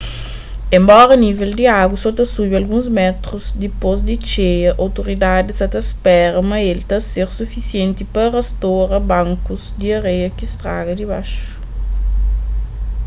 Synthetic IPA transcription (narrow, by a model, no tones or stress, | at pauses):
ẽmbɔɾɐnivɛld̪iaɡusot̪ɐsubɐlɡũzmɛt̪ɾuzd̪ipozd̪it͡ʃejɐʔawt̪uɾid̪ad̪isɐt̪ɐspɛɾɐmɐelt̪ɐseɾsufisjẽnt̪ipɐɾɐst̪oɾɐbãŋkuzd̪iɐɾejɐkist̪ɾa̰ɡɐd̪iba̰ʃu̥